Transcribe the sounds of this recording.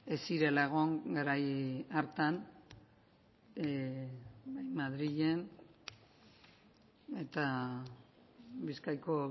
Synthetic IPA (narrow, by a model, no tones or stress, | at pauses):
e̞siɾe̞laɣo̞ŋɡeɾajaɾt̪an | bajmaðɾiʎe̞n | e̞t̪a | biskajko̞